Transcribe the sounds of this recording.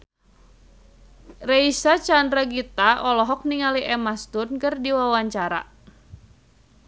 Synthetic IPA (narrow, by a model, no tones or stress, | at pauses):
reisat͡ʃandɾaɡit̪aʔɔlɔɦɔk̚niŋaliʔɛmast̪ʊnkɨrdiwawaɲt͡ʃaɾa̰